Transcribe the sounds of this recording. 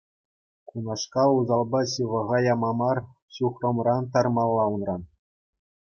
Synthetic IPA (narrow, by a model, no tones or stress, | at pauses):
kunɑʂkɑuzɑlˠbɑɕɯʋɤ̆ʁɑjɑmɑmɑr | ɕuχrŏmrɑnt̪̬ɑrmɑlˠːɑunrɑn